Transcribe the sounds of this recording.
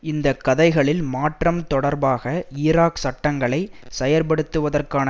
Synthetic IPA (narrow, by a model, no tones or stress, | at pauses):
ɪnd̪ɐkːɐðɐɪɣɐɭɪlmaːʈrɐmt̪ɔɽɐɾbaːɣɐɪːɾaːksɐʈːɐŋɡɐɭɐɪsɛjɐɾp̬ɐɽɯt̪ːɯʋɐðɐrkaːnɐ